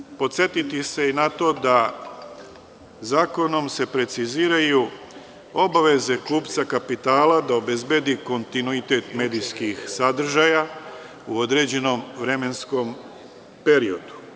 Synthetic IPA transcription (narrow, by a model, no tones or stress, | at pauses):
po̞t̪se̞t̪it̪ise̞inat̪o̞d̪a | zaːko̞no̞mse̞pɾe̞t̪siziːɾaju | o̞baʋe̞ze̞kuːpt̪sakapit̪aːlad̪aobe̞zbe̞d̪iko̞nt̪inuit̪e̞t̪me̞ːd̪ijskixsad̪r̩ʒaja | uo̞d̪ɾe̞d͡ʑe̞no̞mʋɾe̞me̞nsko̞m | pe̞ɾio̞d̪u̥